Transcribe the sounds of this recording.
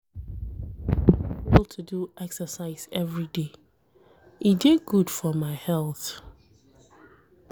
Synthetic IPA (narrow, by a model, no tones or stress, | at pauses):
lˠtʰuduʔɛksəsaɪz̥ɛvɹide | ideɡud̥fɔmaɪhɛlˠθ